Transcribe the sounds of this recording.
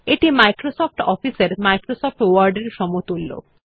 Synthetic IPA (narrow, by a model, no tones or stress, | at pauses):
eʈimajkɾosɔpʰʈɔpʰiseɾmajkɾosɔp̚ʰʈwaɾɖeɾʃɔmot̪ulːo̰